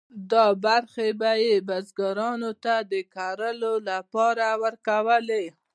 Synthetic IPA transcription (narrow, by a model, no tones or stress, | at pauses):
d̪ɑbaɾxebajebazɡaɾɑnot̪ad̪əkaɾəlolapɑɾawəɾkawəle